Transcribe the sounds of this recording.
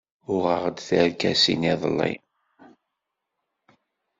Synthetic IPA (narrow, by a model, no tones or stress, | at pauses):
ʊʁəʁd̪θəɾkæsḭniðˤəlːḭ